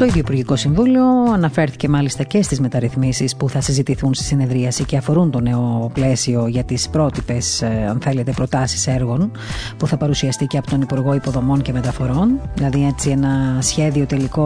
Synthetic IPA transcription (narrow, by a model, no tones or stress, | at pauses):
t̪o̞iðiopuɾʝiko̞siɱvulio̞ɐnɐfe̞ɾθi̥ce̞mɐlist̪ɐce̞st̪izmet̪ɐɾiθmisispuθɐsizit̪iθunst̪i̥sine̞ðɾiɐsice̞ɐfo̞ɾunt̪o̞ne̞o̞ple̞sio̞ʝɐt̪ispɾo̞t̪ipe̞sɐ̰nθe̞let̪e̞pɾo̞t̪ɐsi̥se̞ɾɣo̞n | puθɐpɐɾusiɐst̪iceɐpot̪o̞nipuɾɣo̞ipoðo̞mo̞ɲce̞me̞t̪ɐfo̞ɾo̞nðilɐðie̞t͡sie̞nɐsçe̞ðio̞t̪e̞liko̞